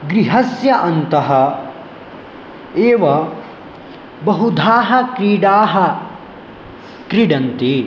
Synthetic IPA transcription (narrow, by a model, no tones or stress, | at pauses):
ɡɾiɦɐsjɐʔɐnt̪ɐɦɐ | eːʋɐ | bɐɦud̪ʱaːɦɐkɾiːɖaːɦɐ | kɾiɖɐnt̪i